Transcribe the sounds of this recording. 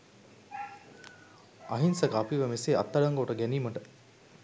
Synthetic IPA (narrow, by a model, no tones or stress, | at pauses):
ɐɦinsɐkɐpiʋɐmeseːɐ̰t̪ːɐɭɐŋɡoːʈəɡɛniːmɐʈə